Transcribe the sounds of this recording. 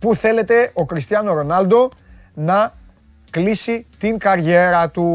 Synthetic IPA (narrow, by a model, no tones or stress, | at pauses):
puθe̞le̞t̪e̞ʔo̞kɾist̪iɐnoɾo̞nɐld̪o̞ | nɐ | klisit̪iŋkɐɾʝe̞ɾɐt̪u